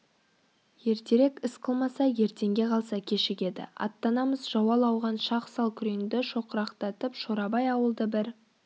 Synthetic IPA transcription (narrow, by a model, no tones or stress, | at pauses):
je̞ɾt̪e̞ɾe̞kʲɪsqʰəlˠmɑsɑje̞ɾt̪e̞ŋɡʲe̞qʰɑlˠsɑkʲʰe̞ʃɪkʲe̞d̪ɪ̰ɑ̰t̪ːɑnɑməzʒɑwɑlˠɑwʁɑnʃɑqsɑlˠkʲʰʏɾe̞ŋd̪ɪʃo̞qəɾɑqt̪ɑt̪əpʃoɾɑbɑjɑwəlˠd̪əbɪɾ